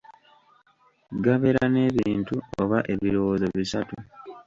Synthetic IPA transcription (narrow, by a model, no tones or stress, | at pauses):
ɡaβe̞ɾane̞ːβiːntuoβaʔe̞βiɾo̞wozoβisatu